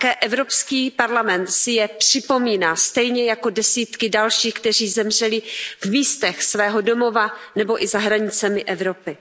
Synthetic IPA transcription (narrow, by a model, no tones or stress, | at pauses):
kɛːʔɛvɾo̞pskiːpaɾlamɛnt̪sɪjɛpr̥ɪpo̞miːnaːst̪ɛjɲɛjako̞dɛsiːt̪kɪdalʃiːxkt̪ɛr̝iːzɛmr̝ɛlɪvmiːst̪ɛxsvɛːɦo̞do̞mo̞vanɛbo̞ʔɪzaɦɾaɲɪt͡sɛmɪʔɛvɾo̞pɪ